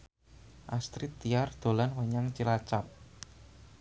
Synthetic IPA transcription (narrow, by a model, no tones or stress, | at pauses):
ʔast̪ɾit̪ːijard̪̥o̤lanwaɲaŋt͡ʃilat͡ʃap̚